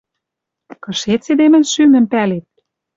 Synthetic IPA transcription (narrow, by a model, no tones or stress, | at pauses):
kɤ̆ʃet̪sed̪emɘ̆nʃynɘ̆mpælet̪̚